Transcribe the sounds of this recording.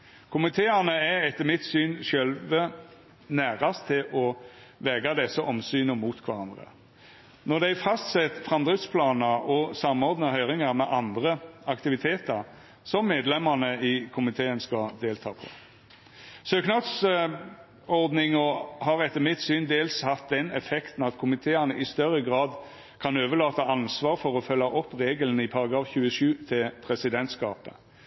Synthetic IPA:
kʰʊmɪt̪ʰeːɑnəæɛt̪ːəmɪt̪syːnʃœlʋə | næːʁɑst̪ʰːɪlʔɔ | ʋɛːɡɑd̪ɛsːəʔɔmsyːnəmuːt̪kʰʋæɾɑnd̪ʁə̰ | nɔd̪æɪfɑst̪sɛt̪fʁɑmd̪ʁɪt̪spʰlɑːnəɾɔsɑmɔʁd̪nəhœʏʁɪŋɑʁmɛʔɑnd̪ʁəɑkt̪ɪʋɪt̪ʰeːt̪ɑʁ | sɔmːeːd̪lɛmːənəɪkʰʊmɪt̪ʰeːənskɑd̪eːlt̪ʰɑːpʰɔ̰ | søːknɑd̪s | ɔʁd̪nɪŋɔhɑʁɛt̪ːəmɪt̪syːnd̪eːlshɑt̪̚d̪ɛnɛfɛkt̪n̩ɑt̪kʰʊmɪt̪ʰeːənəʔɪst̪œɾəɡʁɑːd̪ | kʰɑnøːʋəlɑːt̪əʔɑnsʋɑːʁfɔʁɔfœlːɑʔɔpːʁeːɡələnəɪpʰɑʁɑɡɾɑːfçʉːəʂʉːt̪ʰɪlpʰʁɛsɪd̪ɛnt̪skɑ̰ːpə

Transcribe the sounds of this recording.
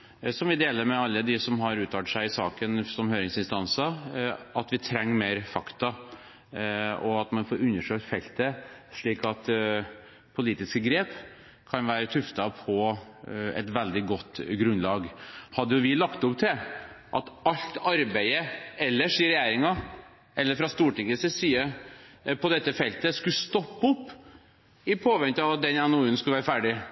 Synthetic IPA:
sɔmʋɪd̪eːləɾmɛɑlːəd̪ɪsɔmɦɑɾʉːt̪ʰɑːʈ̪ʂæɪɪsɑ̰ːkənsɔmhøːɾɪŋsɪnst̪ɑnsɑɑt̪ʋɪt̪ʰɾɛŋːmeːɾfɑkt̪ɑ | ɔɑt̪mɑnfoːɾʉnːəʂøːkt̪fɛlt̪əʂɭiːkɑt̪ | pʰʊliːt̪ɪskəɡɾeːp | kʰɑnʋæːɾət̪ʰʉft̪ɑpʰɔ | ɛ̰t̪ʋɛld̪ɪɡɔt̪ːɡɾʉnlɑːɡhɑd̪ːəjʊʋɪlɑkt̪ʊpt̪ʰɪʔɑt̪ɑʎt̪ɑɾbæɪəɛlːəʂiːɾɛjæːɾɪŋɑ | ʔɛlːəɾfɾɑst̪uːʈɪŋəsəsiːə | pʰɔd̪ɛt̪ːəfɛlt̪əskʉst̪ɔpːʊpː | ɪpʰoːʋɛnt̪əɑʋɑt̪̚d̪ɛnɛnʊʉːənskʉləʋæːɾəfæːɖɪ

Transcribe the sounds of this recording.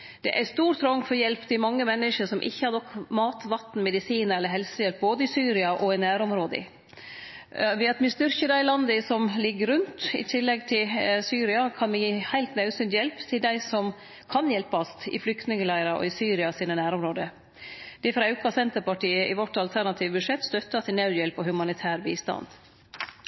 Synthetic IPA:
d̪̥ɛ̰ʔæst̪uːɾt̪ʰɾɔŋfɔɾjɛlpt̪ʰɪmɑŋːəmɛnːəʂəʂɔmʔɪ̰çːəhɑnɔkːmɑːt̪ʋɑt̪n̩mɛd̪ɪsiːnəɾɛlːəɾɦɛlsəjɛlp̚boːd̪əɪsyːɾɪɑʔɔɪnæːɾɔmɾoːd̪ə̰ | ʋɛɑt̪mɪst̪ʏɾçəd̪æɪlɑnd̪əsɔmlɪɡːəɾʉnt̪ɪ̰t̪ʰɪlːɛɡ̚t̪ʰɪlsyːɾɪɑkʰɑnmɪhæɪlt̪nɑʉsʏnt̪jɛlpt̪ʰɪld̪æɪsɔm | kʰɑnjɛlpɑst̪ɪ̰flʏkt̪nɪŋəlæɪɾɑʔɔ̰ɪsyːɾɪɑsiːnənæːɾɔmɾoːd̪ə | d̪̥ɛfɾɑʉkɑsɛnt̪əɾpɑʈiːəʔɪʋɔʈːɑlt̪ʰæɾɳɑt̪ʰiːʋbʉʂɛt̪ːst̪œt̪ːɑt̪ʰɪlnɑʉjɛlpɔhʉmɑnɪt̪ʰæːɾbiːst̪ɑ̰nd̪

